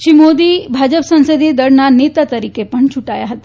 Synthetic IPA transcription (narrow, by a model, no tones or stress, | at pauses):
ʃimod̪ibʱad͡ʒəpsə̃nsəd̪ʱid̪əɾnanet̪at̪əɾikepəɳt͡ʃʰuʈajaɦət̪a